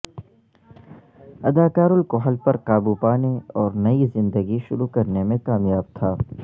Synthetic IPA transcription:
ɐd̪aːkaːɾʊlkoɦɐlpɐɾqaːbupaːneɔːɾnɐizɪ̃nd̪əɡiʃʊɾukɐɾnemẽkaːmjaːb̚t̪ʰaː

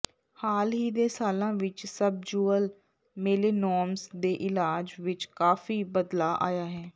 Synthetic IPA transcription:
haːlɦiːd̪eːsaːlãːʋɪt͡ʃsəb̚d͡ʒuːəl | meːleːnɔːmsd̪eːʔɪlaːd͡ʒʋɪt͡ʃkaːfiːbəd̪laːʔa̰ːjaːɦɛː

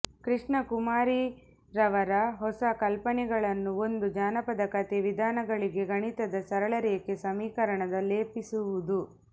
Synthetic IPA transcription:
kɾiʂɳɐkumaːɾi | ɾɐʋɐɾɐɦɔsɐkɐlpɐɳɛɡɐɭɐnːuond̪ud͡ʒaːnɐpɐd̪ɐkɐt̪eʋid̪ʱaːnɐɡɐɭiɡe̞ɡɐɳit̪ɐd̪ɐsɐɾɐɭɐɾekesɐmiːkɐɾɐɳɐd̪ɐleːpisuʋud̪u

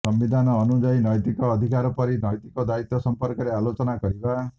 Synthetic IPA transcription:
sɔmbid̪ʱanɔːnud͡ʒainɔjt̪ikɔːd̪ʱikaɾɔpɔɾinɔjt̪ikɔd̪ait̪ːɔsɔmpɔɾkɔɾealot͡ʃɔnakɔɾiba

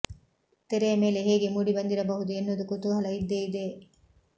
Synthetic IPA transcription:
t̪eɾeːɐmeːleɦeːɡemuɖibɐnd̪iɾɐbɐɦud̪uenːud̪ukot̪uɦɐlɐid̪ːeːid̪eː

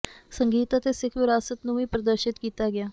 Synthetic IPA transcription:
səŋɡiːt̪aːt̪eːsɪkʰʋɪɾaːsət̪nũːĩːpɾəd̪əɾʃɪt̪kiːt̪aːɡɪaː

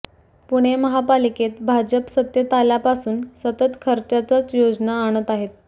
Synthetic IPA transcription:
puɽ̃eməɦapaliket̪bʱad͡ʑəpsət̪jət̪aljapasuːnsət̪ət̪kʰəɾt͡ɕat͡sat͡sjod͡znaːɽ̃ət̪aɦet̪̚

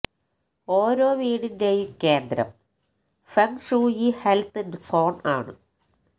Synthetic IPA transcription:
oːɾo̞ːʋiːɽindejumke̞ːnd̪ɾɐ̰m | fɐmʂuːiːhelt̪ːendɨso̞ːna̰ːɳɨ̰

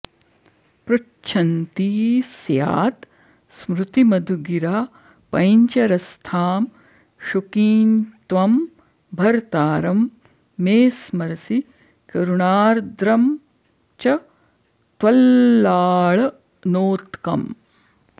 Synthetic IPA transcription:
pɾu | t͡ʃʰɐnt̪iːsja̰ːt̪ | smɾut̪imɐd̪ʱuɡiɾaː | pɐjɲt͡ʃɐɾɐst̪ʰaːm | ʃukiːnt̪ʋɐm | bʱɐɾt̪aːɾɐmː | eːsmɐɾɐsi | kɐɾuɳaːɾd̪ɾɐm | t͡ʃɐ | t̪ʋɐlːaːɭɐ | noːt̪kɐm

